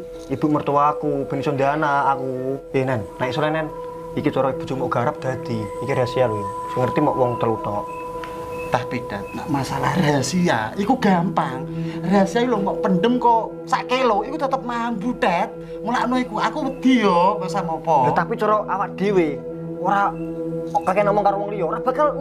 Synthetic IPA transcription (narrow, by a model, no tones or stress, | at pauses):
ib̥ṳʔmərt̪uwaːkub̥ə̤nisɔnd̪ianaːkujenɛnːaiksolɛnɛn | ikit͡ʃɔɾɔib̥ṳ̥d͡ʒumɔʔɡ̥aɾap̚d̪̥a̤d̪̥iːkiɾasialusŋərt̪imɔ̰ʔwɔŋt̪əlut̪ɔʔ | t̪ahpid̥at̪̚na̰ʔmasala̰hrasia̰ikuɡampaŋrasiaulomɔʔpənɖəmkɔ | saʔkeloikut̪ət̪əp̚maɦanbuɖat̪̚ | mulaʔnoikuakuwəd̪̥iɔbasamɔpɔat̪apit͡ʃɔɾɔʔawakd̪̥e̤we | oɾa | ɔʔkakɛnɔmɔŋkaɾowɔŋlijɔɾab̥a̤kal